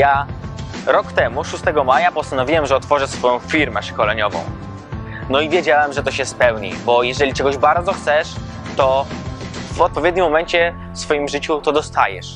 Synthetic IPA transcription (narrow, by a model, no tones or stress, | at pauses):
ja | ɾɔkt̪ɛmuʂust̪ɛɡɔmajapɔst̪anɔvʲiwɛmʐɛɔt̪fɔʐɛʂsfɔjɔ̃w̃fʲiɾmɛʂkɔlɛɲɔvɔ̰̃w̃ | nɔivʲjɛd͡ʑawɛmʐɛt̪ɔɕɛspɛwɲḭbɔjɛʐɛlʲit͡ʂɛɡɔʑbaɾd̪zɔxt̪sɛʂ | t̪ɔ | vɔt̪̚pɔvʲjɛd̪̚ʲɲimːɔmɛɲt͡ɕɛ | fsfɔjimʐɘt͡ɕut̪ɔd̪ɔst̪a̰jɛ̰ʂ